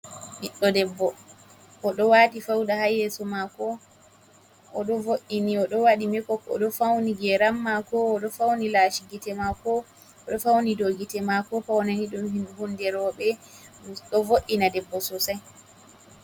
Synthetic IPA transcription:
niɗːɔdɛbːɔ | ʔɔɗɔwaːtifawɗahajɛsɔmakɔ | ɔɗɔvoʔːiniɔɗɔwaɗimɛkɔkɔ̰ɗɔfawniɡɛɾamːakɔːɗɔfawnilaʃiɡitɛmakɔ | ɔɗɔfawnidoɡitɛmakɔpawnaniɗumhimbundɛɾɔɓɛ | ɗɔvoʔːinadɛbːɔsɔsaj

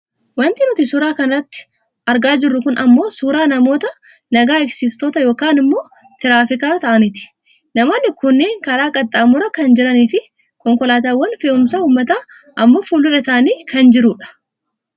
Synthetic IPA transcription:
wɐnt̪ɪnʊt̪isʊɾaːkɐnɐɐt̪ːɪ̥ | ʔɐɾɡaːd͡ʒɪrːʊkʊnɐmːo̞ːsuːɾaːnɐmo̞ːt̪ɐ | nɐɡaːɪksiːst̪oːt̪ɐjo̞ːkaːnɪmːo̞ː | t̪ɪɾaːfɪkaːt̪ɐʔɐnɪt̪ɪ̥ | nɐmoːnːɪkʊnːeːŋkɐɾaːkʼɐt̪ʼːaːmʊɾɐkɐnd͡ʒɪɾɐniːfɪ | kɔŋkɔlaːt̪aːwːɐnfeːʊmsauːmːɐt̪aː | ʔɐmːo̞ːfuːlːʊɾɐɪsaːniːkʰɐnd͡ʒɪɾuːᶑɐ̥

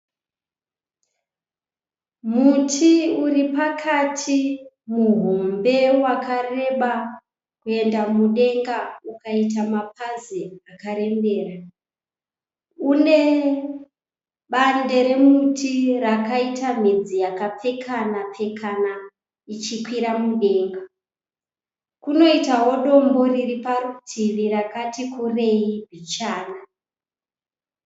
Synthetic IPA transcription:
mutʰiuripakʰatʰi | muɦombe̞wakʰare̞ɓa | kue̞ndamuɗe̞ŋɡaukaitamap̚ʰaziakaɾe̞mbe̞ːra | une̞ | ɓande̞ɾe̞mutʰirakaitʰam̤id͡zijakap͡fe̞kʰanap͡fe̞kʰana | it͡ʃikwiɾamuɗe̞ːŋɡa | kuno̞itaɦo̞ɗo̞mbo̞riripaɾutʰiriɾakatikʰure̞ibʱit͡ʃaːna

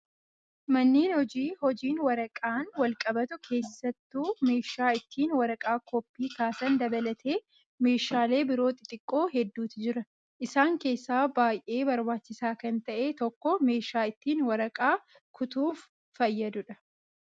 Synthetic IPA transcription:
mɐnːiːnhɔd͡ʒiːhɔd͡ʒiːnwɐɾɐkʼaːnwɐlkʼɐbɐt̪ʊkʰe̞ːsːɐt̪ːuːme̞ːʃaːɪt̪ːiːnwɐɾɐkʼaːkʰɔpʼːiːkaːsɐnd̪ɐbɐlɐt̪ʰe̞ː | me̞ːʃaːle̞ːbɪɾo̞ːt̪ɪt̪ʼɪkʼːo̞ːɦɛd̪ːuːt̪ɪd͡ʒɪɾɐ | ʔɪsaːŋke̞ːsːaːbaːjʔe̞ːbɐɾbaːt͡ʃːɪsaːkɐnt̪ɐʔe̞ːt̪ɔkːɔme̞ːʃaːɪt̪ːiːnwɐɾɐkʼaː | kʰʊt̪uːfː | ɐjːɐd̪ʊᶑɐ

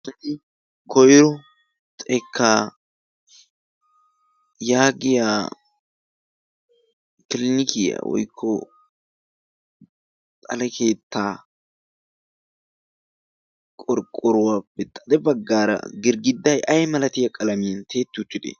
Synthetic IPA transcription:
sɐtɪ | kʰɔjɾɔ | t͡sʼɛkʰːaː | jaːɡɪjaː | kɪlɪnɪkɪja̰wɔ̰jkʰːɔ̰ | t̪ʼɐlɛkʰe̞ːt̪ʰːaː | kʼɔɾkʼɔɾʊwab̥ɛt̪ʼːɐ̥d̪ɛbɐɡːaːɾɐ̰ɡɪɾɡɪd̪ːɐjʔɐjmɐlɐt̪ɪjɐkʼɐlɐmɪjɐnt̪ʰe̞ːt̪ːɪʊt̪ːɪd̪ḛ

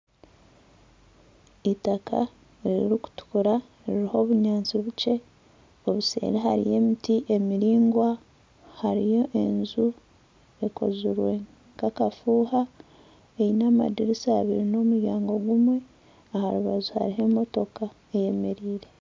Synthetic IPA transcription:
itakʰa̰ | eɾḭɾiku̥tu̥kuɾa | ɾiɾiho̞ːβuɲaːnt͡siβut͡ʃe̞ | o̞βusḛːɾeɦaɾḭje̞ːmitiʔe̞miɾiːŋɡwa | haɾijo̞ʔenzu | e̞ko̞̰ziɾwe̞ | kakafuːha | ejinama̰diɾisaaβiɾino̞ːmuɾjaːŋɡo̞ɡumwe̞ | ahaɾuβazuha̰ɾiɦe̞mo̞to̞ka | eje̞me̞ɾiːɾe̞

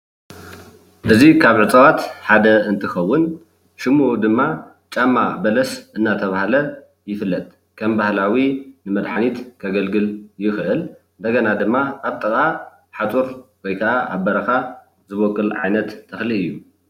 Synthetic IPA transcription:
ʔɨzikʰaβʕɨt͡s̪ʼɐwat̪ħad̪ɐɨnt̪ʰɨxɐwːʊn | ʃɨmːuʔud̪ɨmːa | t͡ʃʼamːabɐlɐsʔɨnːat̪ʰɐβahalɐ | jɪfɨlːɐt̪ʼ | kʰɐmbahlawinɨmɐd̪ħanit̪kʰɐɡɐlɡɨljɪxʔɨlɨnd̪ɐɡɐnad̪ɨmːaaβt̪ʼɐkʼa | ħat̪ʼuɾkʰojkʰɐʔaʔaβbɐɾɐxa | zɨβokʼːɨlʕa̰jnɐt̪ʰːɐxliɨjːu

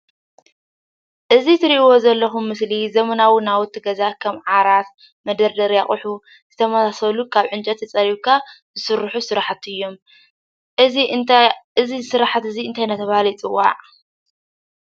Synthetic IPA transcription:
ʔɨzit̪ʰɨɾiʔwo̞zɐlːɐxumːɨslizɐmɐnawinawʊt̪ʰːiɡɐzakʰɐmʕaɾat̪ | mɐd̪ɐɾd̪ɐɾjaχʼʊħu | z̥ɨt̪ʰɐmɐsasɐlukʰaβʕɨnt͡ʃʼɐt̪ːɐt͡sʼɐɾikʰazɨsɨɾħusɨɾaħat̪ɨjːo̞m | ɨzisɨɾaħat̪ɨziɨnt̪ʰajnat̪ʰːɐβahalit͡sʼɨwːa̰ʕ

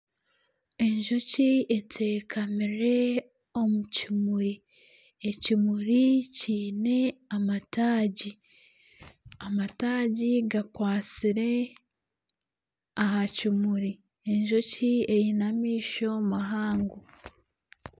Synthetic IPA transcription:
e̞ɲʒo̞cie̞tʰe̞ːkʰamiɾe̞ | o̞mucimuɾi | ecimuɾiciːne̞amataːɟi | amataːɟiɡakwaːt͡siɾe̞ | aɦacimuɾi | e̞ɲʒo̞cie̞jinamiːʃo̞maɦaːŋɡu

